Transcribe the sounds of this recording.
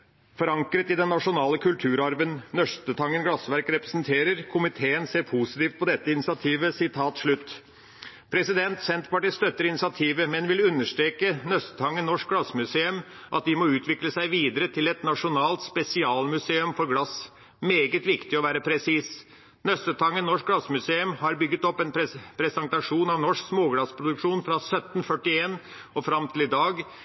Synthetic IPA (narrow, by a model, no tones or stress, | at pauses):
fɔɾɑŋkɾət̪ɪd̪ɛnːɑʂʊnɑːləkʰʉlt̪ʰʉːɾɑɾʋənnœst̪ət̪ʰɑŋːənɡlɑsʋæɾkɾɛpɾə̥snt̪ʰeːɾəɾkʰʊmɪt̪ʰeːənseːɾpʰusɪt̪iːft̪̚pʰɔd̪ɛt̪ːəɪnɪsɪɑt̪ʰiːʋəsɪt̪ʰɑːt̪ʂɭʉt̪ː | pʰɾɛsɪd̪ɛnt̪sɛnt̪pɑʈiːst̪œt̪ːəɾɪnɪsɪɑt̪ʰiːʋəmɛnʋɪlʉnːəʂt̪ɾeːkənœst̪ə̥t̪ʰɑŋːənnɔʂk̚ɡɽɑsːmʉseːʉm | ʔɑ̰t̪̚d̪ɪmɔʉːt̪ʰʋɪkləsæɪʋiːd̪əɾət̪ʰɪlɛt̪nɑʂʊnɑːlt̪spɛsɪɑːlmʉseːʉmfɔɾɡɽɑs | meːɡət̪ʋɪkt̪ɪɔʋæːɾəpʰɾɛsiːs | nœst̪ət̪ʰɑŋːənɔʂk̚ɡlɑsmʉseːʉmhɑɾbʏɡːət̪ɔpːɛnppʰɾɛsɛnt̪ɑʂuːnɑʋnɔʂksmoːɡɽɑspʰɾʊd̪ʉkʂuːnfɾɑsœt̪ːnfœʈːɪeːn | ɔfɾɑmt̪ʰɪlɪd̪ɑːɡ